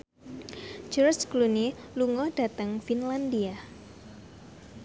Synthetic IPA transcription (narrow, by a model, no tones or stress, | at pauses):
d͡ʒuɾskluniluŋɔd̥a̤t̪əŋfinlandia